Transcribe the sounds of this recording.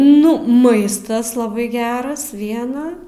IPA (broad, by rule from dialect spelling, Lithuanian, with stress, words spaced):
ˈnʊ ˈmɐɪstɐs lˠɐˈbɐɪ ˈɡʲæːrɐs ˈʋʲiɛnɐ